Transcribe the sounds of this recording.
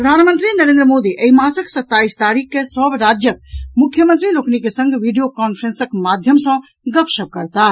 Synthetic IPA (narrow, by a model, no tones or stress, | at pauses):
ppɾəd̪ʱanmənt̪ɾinəɾẽnd̪ɾəmod̪iʔəimãsəksət̪ːaist̪aɾikːesəbɾad͡ʒjək̚mukʰjəmənt̪ɾiloknikesə̃ŋɡʱʋiɖijokɔnpʰɾẽnsəkmad̪ʱjəmsə̃ | ɡəpsəb̚kəɾt̪a